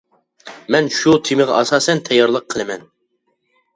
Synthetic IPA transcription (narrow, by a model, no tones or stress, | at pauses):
mɛnʃut̪ʰɪmɪʁɑʔɑsɑːsɛnt̪ʰɛjːɑɾlˠəqʰːəlˠɨmɛn